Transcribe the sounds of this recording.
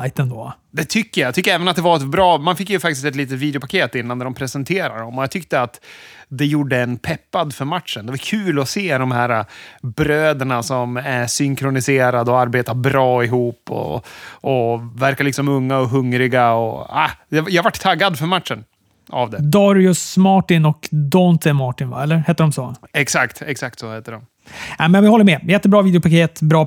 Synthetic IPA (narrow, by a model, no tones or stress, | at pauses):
jt̪ɛnd̪ɔ̰ | d̪ɛt̪ʰʏkːəjat̪ʏkːəɛːvənat̪̚d̪ɛvaɾɛt̪bɾɑːmanfɪkːjɵfak̚t̪ɪst̪ɛt̪liːt̪ət̪viːd̪ɛʊpʰakʰeːt̪ɪnːanɾɔmpʰɾɛsɛnt̪ʰeːɾa̰ɖɔmɔjat̪ʰʏk̚t̪əat̪d̪ɛjuːɖːəɛnːpʰɛpːad̪fœɾmat̪ʂənd̪ɛvaɾkʰʉ̟ːlɔseːd̪ɔmhæːɾabɾøːd̪əɳasɔmæɾʂʏŋkʰɾʊnɪseːɾad̪ɔaɾbeːt̪aɾbɾɑːɪɦuːpːɔ̰ʔɔvæɾkaɾɭɪksɔmɵŋːaɔɦɵŋɾɪɡaɔa̰ɛjahavaʈːt̪ʰaɡːad̪fœɾmat̪ʂən | a̰vd̪ɛd̪ɔɾɪʊsmɑːʈɪnɔkd̪ɔnt̪ʰɛmɑːʈɪnva̰ɛlːəɾhɛt̪ːəɖɔmsoːɛksakt̪ɛksak̚t̪sɔhɛt̪ːəɖɔm | ɛmɛnvɪhɔlːəɾmɛjɛt̪ːəbɾɑːviːd̪ɛʊpʰakeːət̪bɾɑː